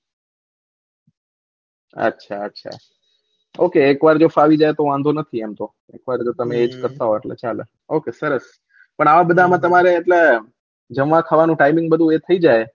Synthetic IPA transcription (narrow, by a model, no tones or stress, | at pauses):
ə̰tːʃʰa̰ətːʃʰa̰ | okeːkʋaɾd͡ʒofaʋid͡ʒajt̪oʋãnd̪ʱonət̪ʰiɛmt̪o | ḛkʋaɾd͡ʒot̪əmeed͡ʒkəɾt̪aɦoeʈlḛt͡ʃalḛ | okesəɾəs | pəɳaʋabəd̪ʱamãt̪əmaɾeːʈle | d͡ʒəʋʋãkʰaʋanũʈaimɪ̃ŋɡbəd̪ʱũet̪ʰəid͡ʒaj